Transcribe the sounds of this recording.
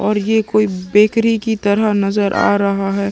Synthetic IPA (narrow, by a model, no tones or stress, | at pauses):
ɔːɾjekoːibeːkɾikit̪ɐɾanɐzəɾʔa̰ːɾɐɦaɦɛː